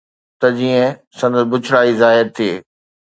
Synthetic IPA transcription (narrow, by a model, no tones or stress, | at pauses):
t̪ɐd͡ʑiːə̃sɐ̃nd̪əsbʊt͡ɕʰɽaːizaːɦɪɾt̪ʰiː